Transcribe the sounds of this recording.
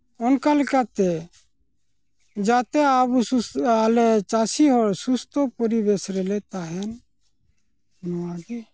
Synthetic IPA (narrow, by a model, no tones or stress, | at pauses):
ɔnkalɛkat̪ɛ | d͡ʒat̪ɛabusualɛt͡ʃasiɦɔɾsust̪ɔpɔɾibesɾɛlɛt̪aɦɛn | nɔwaɡi